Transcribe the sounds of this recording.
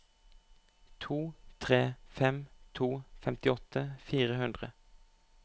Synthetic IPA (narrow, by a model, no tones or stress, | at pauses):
t̪ʰuːt̪ʰʁeːfɛmt̪ʰuːfɛmt̪ɪɔt̪ʰəfiːʁəhʉnd̪ʁə